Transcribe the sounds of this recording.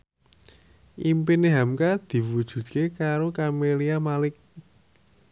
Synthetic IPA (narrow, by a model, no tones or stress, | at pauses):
ʔimpɪneɦamkad̪̥i̤wud̥ʒ̥ṳt̪̚kekaɾokameliamalɪk̚